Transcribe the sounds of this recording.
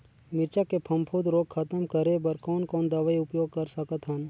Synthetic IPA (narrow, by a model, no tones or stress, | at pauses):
mɪɾt͡ʃakepʰɐ̃mpʰod̪ɾoːɡ̚kʰːɐt̪əmkɐɾebɐɾkɔːnkɔːnd̪ɐʋaiʊpjoːɡ̚kɐɾsɐkət̪ɦɐn